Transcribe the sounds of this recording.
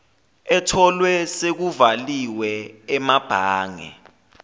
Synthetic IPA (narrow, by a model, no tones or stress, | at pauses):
ɛtʰɔlwɛsek̬uvaliwɛːmab̥ʱaːŋɛ̰